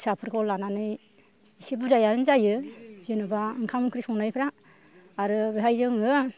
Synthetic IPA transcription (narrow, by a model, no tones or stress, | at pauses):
sapʰɯɾkʰɔlːananɯj | isibuzajaɯnzajɯzenɯbaɯŋkʰamɯŋkʰɾisɔŋnajpʰɾaː | ɾɯbeɦajzɯŋɯ